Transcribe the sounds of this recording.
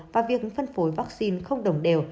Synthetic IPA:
vaː˨˩vi˨˩ək̚ɲɨ̰˨˦ŋfə˧nfo˨˦jvaː˦˥k̚si˧nxə˧wŋ͡mɗə˨˩wŋ͡mɗe˨˩w

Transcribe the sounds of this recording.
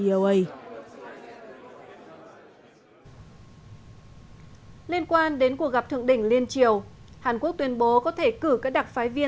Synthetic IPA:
ə˧ʔə˧j | li˧ənkwaː˧nɗe˨˦nku˨˩ək̚ɣa˨˩p̚t̪ʰɨ̰˧˨əŋɗḭ̈˧˩ŋ̟li˧ənt͡ɕi˨əwhaː˨˩nku˦˥ək̚t̪wi˨˧ənɓo˨˦kɔ˨˦t̪ʰe˧˩kɨ˧˩kaː˦˥k̚ɗa˨˩t̚faː˨˦jvi˧ə

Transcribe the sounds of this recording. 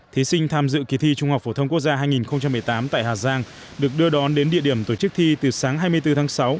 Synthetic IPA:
t̪ʰi˨˦sï˧ŋ̟t̪ʰaː˧mzɨ̰˧˨ki˨˩t̪ʰi˧t͡ɕʊ˧ŋ͡mhwk͡p̚fo˧˩t̪ʰə˧ŋ͡mku˦˥k̚zaː˧ɦaː˧jŋi˨˩nxə˧wŋ͡mt͡ɕa˧mːɨ˨˩əjt̪aː˨˦mt̪a̰ː˧˨jɦaː˨˩zaː˧ŋ | ɗɨ˨˩ək̚ɗɨ˧əɗɔ˨˦nɗe˨˦nɗḭ˧˨əɗi˧˩əmt̪o˧˩t͡ɕɨ˦˥k̚t̪ʰi˧t̪ɨ˨˩saː˨˦ŋɦaː˧jmɨ˧əjt̪ɨ˧t̪ʰaː˨˦ŋsa˨˦w

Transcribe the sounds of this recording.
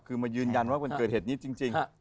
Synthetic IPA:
kʰɯː˧maː˧jɯː˧nja˧nwaː˥˩ma˧nɤː˨˩t̪̚hːt̪̚niː˦˥t͡ɕi˧ŋt͡ɕi˧ŋ

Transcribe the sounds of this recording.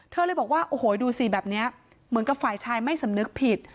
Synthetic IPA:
t̪ʰɤː˧ləː˧jbɔː˨˩k̚waː˥˩ʔoː˧˩hoː˩˦duː˧si˨˩bɛː˨˩p̚ni˦˥ɐ | mɯ˩˦nka˨˩p̚faː˨˩jt͡ɕʰaː˧jma˥˩jsa˩˦mnɯ˦˥k̚pʰi˨˩t̪̚

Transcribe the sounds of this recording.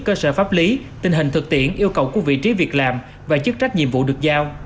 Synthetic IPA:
kəː˧sə̰ː˧˩faː˦˥p̚li˨˦t̪ï˨˧˩ŋ̟ɦï˨˩ŋ̟t̪ʰɨ˨˩k̚t̪ḭ˧˨ənʔi˧əwkə˨˩wku˧˩əvḭ˧˨t͡ɕi˨˦vi˨˩ək̚laː˨˩m | vaː˨˩t͡ɕɨ˦˥k̚t͡ɕa˦˥k̟̚ɲḭ˧˨əmvṵ˧˨ɗɨ˨˩ək̚zaː˧w

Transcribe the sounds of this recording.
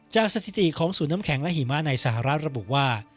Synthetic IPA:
t͡ɕaː˨˩k̚sa˧t̪ʰi˨˩t̪i˨kʰɔː˩˦ŋsuː˩˦nːaː˦˥kʰɛ˩˦ŋlɛ˦˥ɦiː˨˩˦ma˦˥˩na˧jsa˧˩ɦa˨ɾa˦˥t̪̚ɾa˧bṵ˨˩ʔwaː˥˩

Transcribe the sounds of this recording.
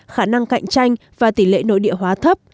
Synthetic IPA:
xaː˧˩na˧ŋka̰˧˨jŋ̟t͡ɕa˧jŋ̟ | vaː˨˩t̪i˧˩lḛ˧˨no̰˧˥jɗḭ˧˨əɦwaː˨˦t̪ʰə˦˥p̚

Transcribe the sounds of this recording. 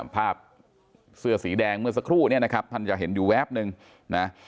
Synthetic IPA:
pʰaː˥˩p̚ | sɯ˥˩ɐsiː˩˦dɛː˧ŋmɯ˥˩ɐs̬a˧kʰɾuː˥˩ni˥˩ɐna˦˥kʰa˦˥p̚ma˥˩nt͡ɕa˨˩k̚ɦe˩˦njuː˨˩wɛː˦˥˩p̚nɯ˧ŋ | na˦˥

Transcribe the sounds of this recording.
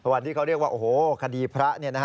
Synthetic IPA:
a˧wa˨˩nt̪iː˥˩ka˦˥wɾi˥˩əkwaː˥˩ʔoː˨˩hoː˨˩kʰa˧diː˧pʰɾa˦˥ʔni˥˩ɐna˦˥˦

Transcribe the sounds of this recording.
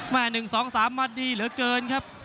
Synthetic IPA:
maː˧˩nɯ˨˩ŋsɔː˩˦ŋsaː˩˦mːa˧t̪̚diː˧lɯ˩˦ɐkɤː˧nkʰa˦˥p̚

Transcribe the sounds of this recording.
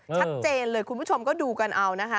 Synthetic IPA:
t͡ɕʰa˦˥t̪̚t͡ɕeː˧nlɤː˧jkʰu˧npʰu˥˩o˧mkɔː˥˩duː˧ka˧nʔa˧wna˦˥kʰa˦˥

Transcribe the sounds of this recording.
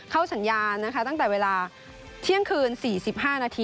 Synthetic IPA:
kʰa˥˩wsa˩˦njaː˧nːa˦˥kʰa˦˥t̪a˥˩ŋt̪ɛː˨˩weː˧laː˧ | t̪ʰi˦˥˩əŋkʰɯː˧nsiː˨˩si˨˩p̚ɦaː˥˩naː˧t̪ʰiː˧

